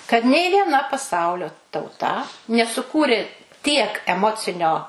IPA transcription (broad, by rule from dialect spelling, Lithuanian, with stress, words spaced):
kɐt nʲɛɪ ʋʲiɛˈnɐ pɐˈsɐʊlʲoː tɐʊˈtɐ nʲɛsʊˈkuːrʲɪ tʲiɛk ɛˈmoːt͡sʲɪnʲoː